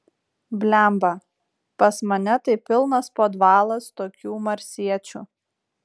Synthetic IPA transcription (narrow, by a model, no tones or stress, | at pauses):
bʲlʲæˑmbɐ | pɐsmɐnʲɛt̪ɐɪpʲɪlˠnɐspoːd̪ʋɑːlˠɐst̪oːkʲuːmɐɾʲsʲiɛt͡ʃʲṵː